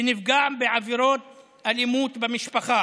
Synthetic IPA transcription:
nifɡaʕmbeʕaviɾot̪̚ | alimut̪bemiʃpaχa

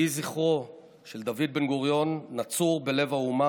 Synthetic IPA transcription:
iziχo̞ | ʃe̞ld̪avid̪̚be̞nɡuʁjo̞nːat͡suʁbe̞le̞vauma

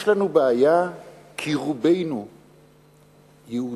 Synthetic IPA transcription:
ʃlanubeaja | kʰiʁubejnu | jeu

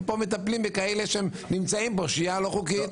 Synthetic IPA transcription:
po̞me̞t̪aplimbekaeleʃeem | nimt͡saimboʃijalo̞χukit̪

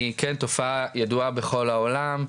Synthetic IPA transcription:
ikɛnt̪o̞fajad̪uabeχo̞laolam

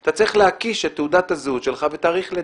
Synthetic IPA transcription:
t̪at͡siχleakiʃetːeudat̪azuʃelχavet̪aːʁiχle

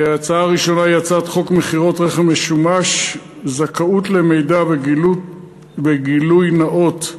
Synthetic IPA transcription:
aat͡saaːʁiʃo̞najat͡sat̪χo̞kmeχiʁo̞tʁe̞χemeʃumaʃ | zakaut̪le̞me̞jda | beɡilujnaʔo̞t

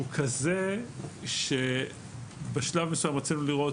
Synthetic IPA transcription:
ukʰazeʃe | beʃlavmesujamʁat͡sinuliʁo̞

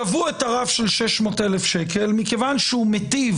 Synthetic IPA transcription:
avuetaʁafʃelʃeʃmo̞telefʃeke̞lmike̞vanʃeumetiv

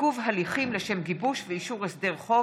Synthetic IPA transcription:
uvɦaliχimleʃe̞mɡibuʃveiʃuʁesd̪eʁχo̞

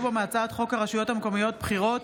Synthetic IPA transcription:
bomaat͡sat̪χo̞khaʁaʃujo̞thameko̞mijo̞t̪̚bχiʁo̞t

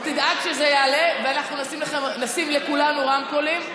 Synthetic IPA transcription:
t̪id̪ʔakʃezejaːleveanaχnunasimleχemnasimlekulanuʁamkolim

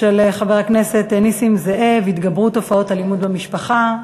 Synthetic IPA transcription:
eleχaveʁakne̞se̞t̪enisimzeʔevit̪ɡabʁut̪o̞fao̞talimud̪bemiʃpaχa

